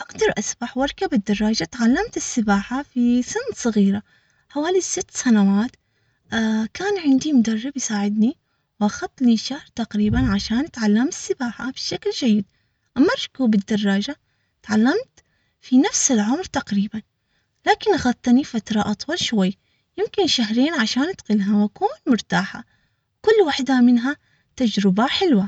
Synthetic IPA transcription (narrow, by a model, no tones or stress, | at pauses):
ʔaɡd̪ɑɾˤʔasbaħwɑɾˤkabɪd̪ːɑrˤːɑːd͡ʒat̪ʕalːamt̪ɪsːɪbaːħafisɪnt̪sˤɨɣiːɾa | ħawaːlisɪt̪ːsanawaːt̪ː | kaːnʕɪnd̪imʊd̪arːɪbjsaːʕɪd̪ni | wʔaxɑt̪ˤːliʃːahɾˤt̪aqɾiːbanʕaʃaːnt̪ʕalːamɪsːɪbaːħa̰b̥ɪʃakld͡ʒajːɪd̪ | ʔamːaɾˤkuːbɪd̪ːɑrˤːɑːd͡ʒa | t̪ʕalːamt̪ | finafsɪlʕʊmɾt̪aqɾiːban | laːkɪnʔaxɑt̪̚ˤt̪ːˤnifat̪ɾˤɑʔɑt̪ˤwɑlʃwajː | jɪmkɪnʃaɦɾeːnʕaʃaːnʔad̪qɪlɦawʔakuːnmʊɾt̪aːħa̰ | kʊlːwaħd̪amɪnɦa | t̪ad͡ʒɾɪbaħɪlwa